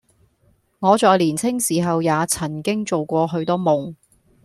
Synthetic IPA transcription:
ŋɔː˨˧t͡ʃɔː˨˧jliː˨˩nt͡sʰɪ˥ŋsiː˨˩ɦɐ˨wjaː˨˧t͡sʰɐ˨˩nkɪ˥ŋt͡so˨wkʷɔː˧ɦɵ˨˧˥ɥt̪ɔː˥mʊ˨ŋ

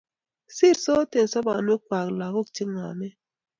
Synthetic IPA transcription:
si˦˨ɾso˦te˨n˨sɔ˦ba˨n˦e˦kwa˨kla˨ɣo˦k̚t͡ʃi˦ŋa̰˨me˦

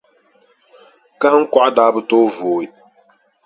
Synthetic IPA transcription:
ka˦hŋ̩˦ka˨ʔa˦daː˨˦bɨ˨toː˦voː˨ɪ˦

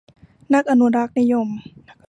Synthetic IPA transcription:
na˦˥k̚ʔa˨nu˧˥ɾa˦˥k̚ni˧˥jo˧˨m

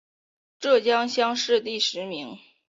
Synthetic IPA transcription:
ʈ͡ʂɤ˥˩t͡ɕjɑ˥ŋɕjɑ˥ŋʂɻ̩˥˧t̪i˥˩ʂɻ̩˧˥mi˧˥ŋ

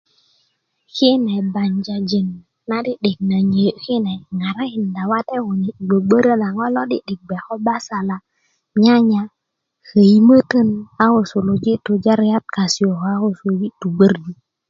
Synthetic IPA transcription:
ki˦nɛ˨ba˨ɲd͡ʒa˨d͡ʒe˨nː | a˦di˦ɗi˨k̚na˨ɲe˨ki˦nɛ˨ŋa˨ɾa˦i˨nda˨wa˦tɛ˦o˨ni˨ɡ͡bə˨ɡ͡bə˦ɾə˦na˨ŋɔ˦lɔ˦dḭ˦ɗi˨k̚ɡ͡bɛ˨kɔ˦ba˦sa˨la˨ | ɲa˦ɲa˨ | hə˨i˦mə˦tə˦na˦o˨su˨lo˨d͡ʒi˦tu˨d͡ʒa˦ɾa˦t̚ka˨si˨o˨ka˦o˦su˨d͡ʒi˦tu˨ɡ͡bə˦ɾdu˨

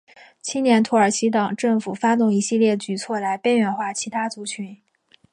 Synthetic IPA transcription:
t͡ɕʰi˥njɛ˧˥nt̪ʰu˧˥ə˞˨˩t͡ɕʰi˧˥t̪ɑ˨˩ŋʈ͡ʂɤ˥˩ŋfu˨˩fa˥t̪̬ʊ˥˩ŋi˧˥ɕi˥˧ljɛ˥˩t͡ɕy˨˩t͡sʰwɔ˥˩la˧˥ɪpe˥ɥɛ˧˥nxwa˥˩t͡ɕʰi˧˥t̪ʰa˥t͡su˧˥t͡ɕʰy˧˥n

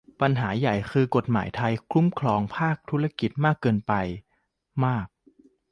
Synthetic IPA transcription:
pa˧nɦaː˩˦ja˨˩jkʰɯː˧ko˨˩t̪̚ma̰ː˩˦jt̪ʰa˧jkʰlu˦˥mkʰlɔː˧ŋpʰaː˥˩k̚t̪ʰu˦˥ɾa˧ki˨˩t̪̚maː˥˩kːɤː˧npa˧j | maː˥˩k̚

